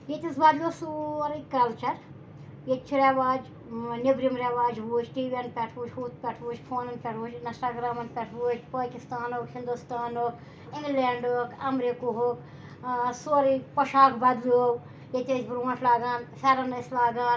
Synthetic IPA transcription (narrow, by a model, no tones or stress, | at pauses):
jet̪ʲɐsbɐd̪lʲoːsuɾikɐlt͡ʃɐɾ | jet̪t͡ʃʰuɾeʋaːd͡ʒ | nibɾimɾeʋaːd͡ʒɦuːt͡ʃʈiːʋenɖ̚pʲɛʈʰʋuːt͡ʃʲhuːt̪̚pʲɛʈʰʋuːt͡ʃʲpʰoːnɐnpʲɛʈʰuːt͡ʃɪnsʈaːɡɾaːmɐnpʲɛʈʰʋuːt͡ʃʲpaːkɪst̪aːnoːkhɪnd̪ust̪aːnoːk | ɪ̃ŋɡleːɳɖoːkɐmɾikuɦoːk | soːɾipɐʃaːkbɐd̪low | jet̪ʲet͡ʃbɾuãfʰlaːɡaːnfʰʲɛɾɐnɐslaːɡaː